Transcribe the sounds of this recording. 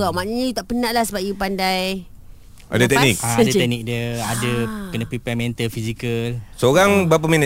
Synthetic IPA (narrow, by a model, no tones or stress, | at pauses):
ɣawmaʔnaɲajut̪aʔpənaʔlahsəbaʔjupandaj | ʔa̰dat̪ɛknik̚dt̪ɛk̚nik̚dəadəkənəpɾipɛmɛ̃nt̪əlfizikəlsoɣaŋbap̬aminə